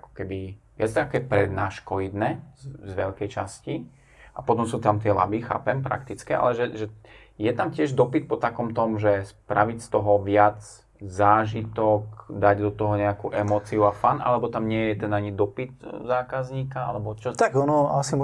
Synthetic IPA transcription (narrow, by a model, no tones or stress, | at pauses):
akɔ̥kɛbiʋɪat͡st̪akɛpɾɛd̪naːʃkɔʋid̪nɛːzʋɛʎkɛjt͡ʃasci | apɔt̪ɔmsuːt̪amt̪ɪɛla̰bixa̰ːpɛmpɾa̰kt̪it͡skɛʔa̰lɛʒɛʒɛ | jɛt̪amcɪɛʒd̪ɔpit̪̚pɔt̪akɔmt̪ɔmʒɛspɾaʋicst̪ɔɦɔʋɪad͡z | zaːʒit̪ɔkd̪aɟd̪ɔt̪ɔɦɔɲɛakuːʔɛmɔːt͡siuafanʔa̰lɛbɔt̪amɲɪɛjɛt̪ɛnaɲid̪ɔpit̪zaːkazɲiːkaa̰lɛbɔt͡ʃɔt̪aɡɔnɔasim